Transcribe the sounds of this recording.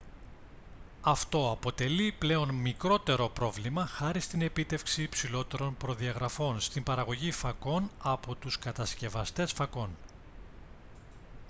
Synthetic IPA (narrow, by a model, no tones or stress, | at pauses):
ɐft̪o̞ɐpo̞t̪e̞liple̞o̞nmikɾo̞t̪e̞ɾo̞pɾo̞vlimɐxɐɾist̪ine̞pit̪e̞fksiːpsilo̞t̪e̞ɾo̞npɾo̞ðiɐɣɾɐfo̞nst̪imbɐɾɐɣo̞ʝifɐko̞nɐpo̞t̪uskɐt̪ɐsce̞vɐst̪e̞sfɐko̞n